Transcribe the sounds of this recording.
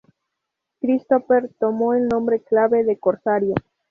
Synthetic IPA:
kɾist̪ofeɾt̪o̞mo̞elnõ̞mbɾe̞klaβe̞ðe̞koɾsaɾjo

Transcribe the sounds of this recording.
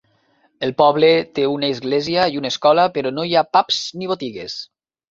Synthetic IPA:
elˠpɔβlet̪eunəizɣleziaiunəeskɔləpeɾɔnojapapz̥niβ̞ot̪iɣes

